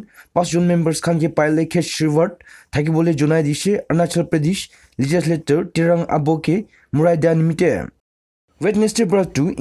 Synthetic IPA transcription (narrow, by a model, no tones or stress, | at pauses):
pãsʰd͡ʒunmembəɾskʰankʰepajlekʰet͡ʃsibaɾt̚tʰːak̬ibɔled͡ʒunajdiseɐnasalpɾedis | lid͡ʒisletɔɹtiɾaŋa̰bɔke | muɾajdijanimitḛ | wetnestebɾatu